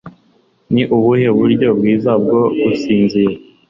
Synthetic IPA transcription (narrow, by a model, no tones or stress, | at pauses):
niʔuβuheβuɾɟo̞bɡiːzabɡo̞ɡusiːnzije